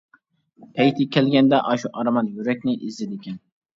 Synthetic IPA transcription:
pʰɛjt̪ʰɪkʲʰɛlɡʲɛnd̪ɛʔɑʃuʔɑɾmɑnjyɾɛk̚ʲnɪʔizɪd̪ɪkʲʰɛn

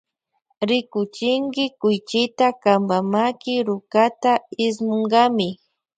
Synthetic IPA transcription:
ɾɪkʊt͡ʃɪŋɡɪkʊjt͡ʃɪt̪akambamakɪɾʊkat̪aɪsmʊŋɢɑmɪ

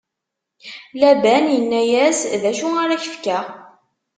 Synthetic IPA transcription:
læbænjənːæjæsðæʃuaɾaçə̥fkæ

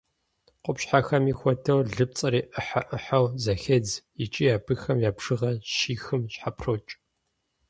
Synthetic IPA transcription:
qʷʼʊpɕħaxɐmixʷɔtʰɐwɮɨp̚t͡sʼɐɾiːʔɨħaʔɨħɐwzɐxɐd͡zjɪt͡ʃʼijaːbʰɨxɐmjaːbʂɨʁɐʃiːxɨmɕħapʰroːt͡ʃʼ

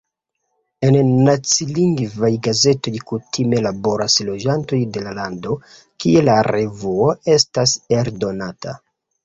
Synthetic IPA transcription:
e̞nnat͡siliŋɡvajɡaze̞to̞jkutʰime̞labo̞ɾaslo̞d͡ʒanto̞jde̞lalando̞ | kie̞laɾe̞vuoe̞stase̞ɾdo̞natʰa̰

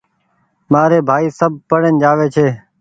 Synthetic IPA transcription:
maːɾeːbʱaːiːsəb̚ʱpəɽənd͡ʒaːʋeːt͡ʃʰeː

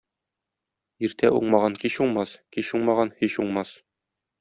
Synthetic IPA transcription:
iɾt̪ʰæʔuɴmɑʁɑŋkiɕuɴmɑskiɕuɴmɑʁɑnhiɕuɴmɑs

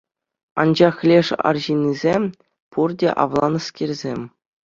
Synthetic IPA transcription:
ɑ̰nd͡ʑɑχlʲeʂɑ̰rʑinʲːizʲemʲ | purdʲeʔɑ̰ʋlˠɑnɤ̆skʲirʲzʲemʲ

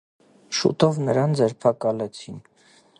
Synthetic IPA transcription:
ʃṵt̪ɔvnəɾɑnd͡zɛɾpʰɑkɑlɛt͡sʰin

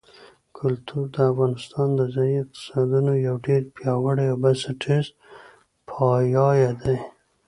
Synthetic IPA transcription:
kʰʊlt̪ʰuɾd̪əafɣɑnɪst̪ɑnd̪əzɑjiɪq̚t̪ɪ̥sɑd̪unojawɖeɾpjɑwəɽeawbasɪʈʰɪz | pʰɑjɑjad̪aj

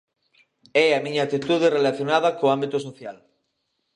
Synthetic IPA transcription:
ɛamiɲaːt̪it̪uð̞erelaθjonaðɐkoambit̪ʊs̬oθjal

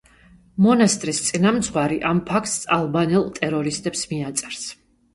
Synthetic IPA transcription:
mɔnast̪ʼɾist̪sʼinamt̪sʰχwaɾiʔampʰakʰt̪salˠbanɛlˠt̪ʼɛɾɔɾist̪ʼɛpsmiat̪sʼɛ̥ɾs

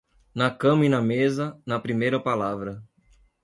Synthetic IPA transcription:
nɐkɐ̃mɐinɐmezɐnɐpɾimejɾɐpalavɾɐ

